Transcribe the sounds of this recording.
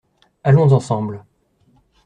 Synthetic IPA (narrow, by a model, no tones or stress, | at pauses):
alɔ̃zɑ̃sɑ̃bl